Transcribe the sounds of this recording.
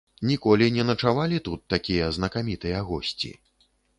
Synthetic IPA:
nʲikɔlʲinʲɛnɐt͡ʂavalʲit̪ut̪ːakʲijɐznɐkamʲit̪ɨjɐɣɔsʲt͡sʲḭ

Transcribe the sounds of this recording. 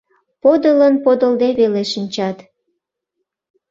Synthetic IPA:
pod̪ələnpod̪əld̪eβeleʃinʲt͡ɕɑt̪

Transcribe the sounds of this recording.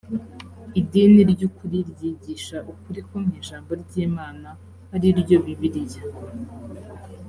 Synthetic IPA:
idiniɾɟukuɾiɾɟiːɟiːʃaʔukuɾikomɲiːʒaːmbo̞ɾɟiːmaːna | haɾiɾɟoβiβiɾija

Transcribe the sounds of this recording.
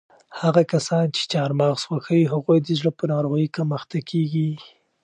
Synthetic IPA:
haɣakasɑnt͡ʃe̥t͡ʃɑɾmɑɣswaxawiɦaɣojd̪əʒɽəpənɑɾoɣikaməxt̪akʰeɡi

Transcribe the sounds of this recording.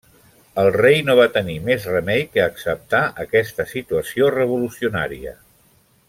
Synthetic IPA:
əlˠrejnoβat̪ənimezrəmɛjkəːksəp̚t̪aʔəkɛst̪əsit̪uəsiorəβ̞ulusiuna̰ɾiə̰

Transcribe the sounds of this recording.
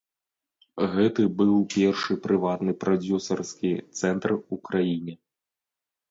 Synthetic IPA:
ɣɛt̪ɨbɨwpʲɛrʂɨpɾɨvat̪nɨpɾʔɔd͡zʲusɐrskʲit̪sɛnt̪rukɾajinʲɛ

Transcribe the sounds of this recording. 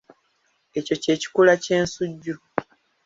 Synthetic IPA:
e̞co̞ce̞ːci̥kulace̞ːnsuɟːu

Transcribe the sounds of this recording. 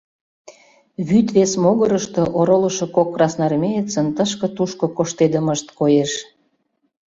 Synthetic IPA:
βyt̪βesmoɣəɾəʃt̪oʔoɾolə̆ʃŏkokːrɑsnɑrmʲejət͡sənt̪əʃkɤ̆t̪uʃkokoʃt̪ed̪əməʃt̪kojeʃ

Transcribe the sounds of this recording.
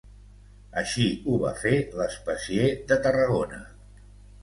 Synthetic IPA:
əʃiuβa̰feləspəsieðət̪ərəɣ̞onə̰

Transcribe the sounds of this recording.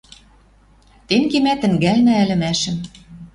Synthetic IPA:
t̪enkemæt̪ɘ̆ŋɡælnææ̆lɘ̆mæʃɘ̆m

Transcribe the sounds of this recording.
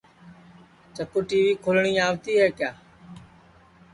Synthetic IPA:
t͡ʃəkʊʈiːʋiːkʰʊlɳ̃iːaːʋt̪iːɦeːkjaː

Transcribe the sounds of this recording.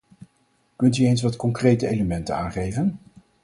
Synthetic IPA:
kɵntyejns̬ʋɑtkɔŋkrejtəejləmɛntəna̰ːnχejvən

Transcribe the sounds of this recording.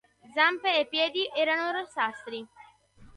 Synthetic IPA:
d̪zampeepːjɛːd̪iʔɛːɾanoɾosast̪ɾi

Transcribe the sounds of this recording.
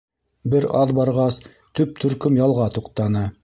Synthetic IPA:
bɘɾɑðbɑɾʁɑst̪ɵp̚t̪ʰɵ̆ɾkɵmjɑlˠʁɑt̪uqt̪ɑnɤ

